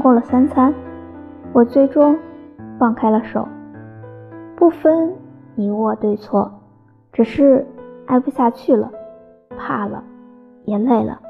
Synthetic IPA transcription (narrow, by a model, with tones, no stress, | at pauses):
kwɔ˥˩lə˩sa˥nt͡sʰa˥n | wɔ˨˩t͡swe˥˩ɪʈ͡ʂʊ˥ŋfɑ˥˩ŋkʰa˥ɪlə˨ʂo̰˨˩˦ʊ | pu˥˩fə˥nni˧˥wɔ˥˧˩t̪we˥˧ɪt͡sʰwɔ˥˩ | ʈ͡ʂɻ̩˨˩ʂɻ̩˥˧a˥˧ɪpu˥˧ɕja˥˧t͡ɕʰy˥˩lə̰˩ | pʰa˥˩lə̰˩ | jɛ˧˥nle˥˩ɪlə̰˩